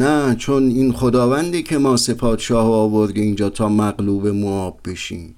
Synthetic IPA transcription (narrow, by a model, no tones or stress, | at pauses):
næt͡ʃʰo̞niːnχod̪ɒːvænd̪ecʰe̞mɒːse̞pʰɒːd̪ʃɒːhɒːvo̞ɾd̪eiːnd͡ʒɒːt̪ʰɒːmæɣluːbe̞moɒːbːe̞ʃiːm